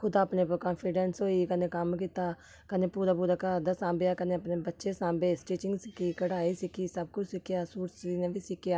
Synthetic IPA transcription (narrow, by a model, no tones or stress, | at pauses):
kʰʊd̪aːpneːpəkɔːnpʰiɖɛnsɦoːiːkəneːkəmkiːt̪aː | kəneːpuːɾaːpuːɾaːkəd̪aːsãːmbejaːkəneːəpneːbətːʃeːsãːbeːsʈeːt͡ʃɪŋɡsɪkʰiːkəɽaːiːsɪkʰiːsəb̚kʊt͡ʃʰsɪkːɪjaːsuːɾsiːnẽːbiːsɪkːjaː